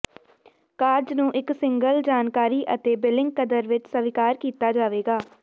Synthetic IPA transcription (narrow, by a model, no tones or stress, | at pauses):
kaːɾd͡ʒnũːʔɪksɪ̃ŋɡəld͡ʒaːnkaːɾiːʔət̪eːbɪlɪ̃ŋɡ̚kəd̪əɾʋɪt͡ʃsəʋɪkaːɾkiːt̪aːd͡ʒaːʋeːɡaː